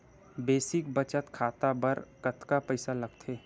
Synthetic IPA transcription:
beːsɪkbət͡ʃət̪kʰaːt̪abəɾkət̪kapəɪsalɐɡ̚t̪ʰeː

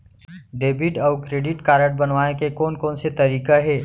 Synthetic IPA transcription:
ɖeːbɪʈɔːkɾeːɖɪʈkaːɾəʈ̚bɐnʋaːekekoːnkoːnset̪ɐɾiːkaɦɛː

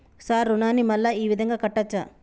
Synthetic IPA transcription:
saːɾːunaːnimɐlːaiːʋid̪ʱɐŋɡaːkɐʈːɐt͡ʃːa̰ː

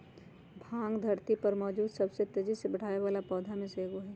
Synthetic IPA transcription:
bʱãːŋɡd̪ʱɐɾt̪ipɐɾmɔːd͡ʒuːd̪sɐbset̪ed͡ʒisebɐɽ̤aːeʋaːlapɔːd̪ʱamẽseːɡoɦɛː

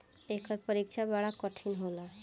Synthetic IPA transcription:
ekəɾpəɾikt͡ʃʰabaɽakɔʈʰinɦola

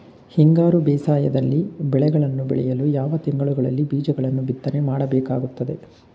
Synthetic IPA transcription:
hiŋɡaːɾubɛːsaːjɐd̪ɐlːibɛɭɛɡɐɭɐnːubɛ̰ɭɛ̰jɐlujaːʋɐt̪iŋɡɐɭuɡɐɭɐlːibiːd͡ʒɐɡɐɭɐnːubit̪ːɐne̞maːɽɐbɛːkaːɡut̪ːɐd̪e̞

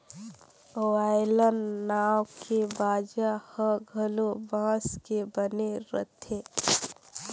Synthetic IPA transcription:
oaːɪlənnaːwkʰebaːd͡ʒahəɡʱəlobãːskebəneɾə̰t̪ʰeː

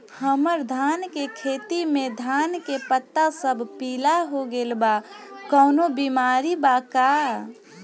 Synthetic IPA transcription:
həməɾd̪ʱaːnkekʰeːt̪imẽd̪ʱaːnkepət̪ːasəbʱpiːlaɦoɡelbakəːnobimaːɾibaka

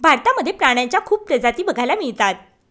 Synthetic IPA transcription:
bʱaɾt̪aməd̪ʱjepɾaɽ̃jãɲt͡ɕjakʰuːb̚pɾəd͡zat̪iːbəɡʱajlamiɭt̪at̪

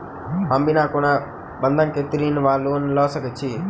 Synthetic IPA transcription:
ɦɐmbinaːkona | bɐnd̪ʱɐnket̪ɾiːnʋaːloːnlɔːsɐkɐt͡ʃʰi

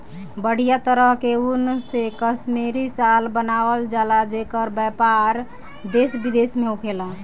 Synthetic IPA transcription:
bəɽ̤ijat̪əɾəɦkeunsekəsmeɾisalbənaʋəld͡ʒalad͡ʒekəɾbjəpaɾ | d̪esbid̪esmeɦukʰela

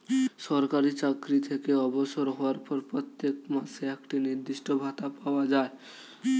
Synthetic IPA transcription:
ʃɔɾkaɾit͡ɕakɾit̪ʰekeɔboʃoɾɦɔoaɾpɔɾpɾot̪ːek̚maseekʈiniɾd̪iʃʈobʱat̪apaoad͡ʑae

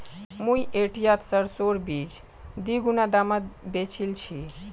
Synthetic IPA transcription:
mũjʔeʈijat̪səɾsoɽbid͡ʒ | d̪iɡunad̪amad̪bet͡ʃʰilt͡ʃʰi

